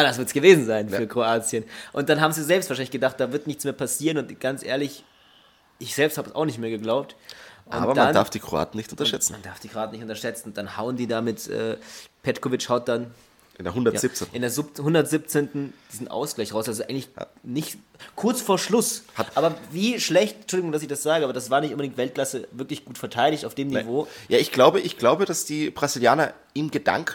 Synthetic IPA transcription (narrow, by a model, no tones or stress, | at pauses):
aːdas̬v̥ɪɐtsɡ̥əveːzn̩zaɪnfyːɐkʁ̥oaːt͡sjənʔʊnt̚d̥anɦaːbm̩ziazɛlpstv̥aːʃalɪçɡədaχt̚d̥aːvɪɐtnɪçt͡smeːɐpʰasiːʁənʊntɡ̥ant͡sʔḛːɐlɪç | ʔɪçz̥ɛlpsthaːbəsa̰ʊχnɪçtmeːɐɡəɡlaʊp̚tʔʊ̰aːbɐdaandaɐfd̥iːkʁ̥oa̰ːtn̩nɪçtʔʊntɐʃɛt͡sn̩mandaɐfd̥iːkʁ̥oaːtn̩nɪçtʊntɐʃɛt͡sn̩ʊntd̥anhaʊəndiːdaːmɪtʔɛ̰ːpʰɛtkovɪt͡ʃhaʊt̚d̥an | ʔɪndeɐhʊndɐja̰zipt͡senɪndeːɐzɪphʊndɐtz̥ip̚t͡seːntn̩d̥iːzn̩ʔa̰ʊsɡ̥laɪçʁaʊsazoʔaɪɡŋ̩tlɪçnɪçt | kʰʊɐt͡sfoːɐʃlʊshatʔaːbɐviːʃlɛçtnt͡ʃʊldɪɡʊŋdasɪçd̥asz̥aːɡəʔaːbɐdasv̥aːɐnɪçtʔʊnbədɪŋktvɛlt̚kl̥asəvɪɐklɪçɡ̥uːtfɛɐtʰaɪɾɪçtaʊfd̥eːmnivoːjaːʔɪçɡ̥laʊbəʔɪçɡ̥laʊbəɾd̥asd̥iːb̥ʁaziljaːnɐ | ʔiːmɡəda̰ŋk